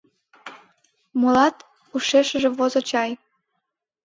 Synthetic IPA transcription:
molɑt̪ | uʃeʃəʒĕβozot͡ɕɑj

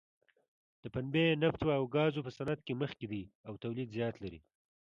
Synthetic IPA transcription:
d̪̥əpanbenaft̪waːwɡɑzopəsanad̪̚keməxked̪iawt̪awlid̪zjɑt̪laɾḭ

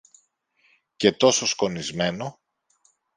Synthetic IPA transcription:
ce̞t̪o̞so̞sko̞nizme̞no

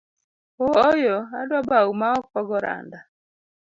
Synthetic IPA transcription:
ɔɔjɔadwabaumaɔkɔɡɔɾa̰nda

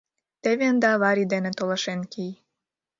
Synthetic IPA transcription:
t̪eβeənd̪ɑβɑɾid̪enet̪olɑʃenkij

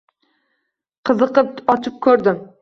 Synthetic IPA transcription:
qʰɨzɨqɨp̚ɒt͡ʃʰɪp̚kʲʰɵɾd̪ɪm

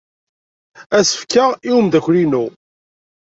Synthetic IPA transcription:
æsə̥fkaʁiwəmd̪æçʷlinu

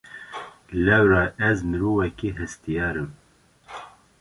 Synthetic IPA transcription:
lɛwɾɑːʔɛzmɨɾuːvɛkiɦɨst̪ijɑːɾɨm

